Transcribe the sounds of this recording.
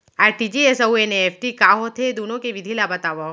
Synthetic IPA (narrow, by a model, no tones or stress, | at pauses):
aɾʈid͡ʒiesəueneːfʈikaɦot̪ʰed̪unõkeʋid̪ʱilabət̪aʋa